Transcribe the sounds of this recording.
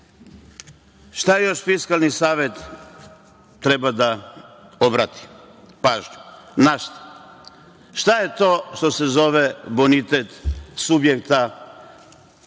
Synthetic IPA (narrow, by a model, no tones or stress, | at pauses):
ʃt̪ajejo̞ʃfiskalˠnisaːʋet̪ | t̪ɾebad̪a | obɾat̪i̥ | paːʒɲu̥naʃt̪ḁ | ʃt̪ajet̪o̞ːʃt̪o̞sezo̞ʋebonit̪et̪subjekt̪a